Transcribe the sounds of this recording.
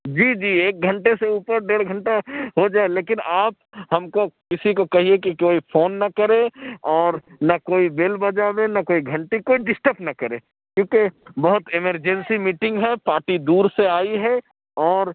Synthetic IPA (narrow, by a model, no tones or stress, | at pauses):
d͡ʒiːd͡ʒiːeːk̚ɡʱɐ̃ɳʈeseuːpəɾɖeːɽɡʱɐ̃ɳʈaɦod͡ʒaːeleːkɪnaːp̚ɦɐmkokɪsikokɐɦiekikoːifʰoːnːɐkɐɾẽɔːɾnɐkoːibɪlbɐd͡ʒaːbẽnɐkoːiɡʱɐ̃ɳʈikoːiɖɪsʈəpnɐkɐɾẽː | kjõːkebɐɦʊt̪ɪməɾd͡ʒɛ̃nsimiːʈɪ̃ŋɡɦɛpaːɾʈid̪uːɾseaːiɦɛ | ɔːɾ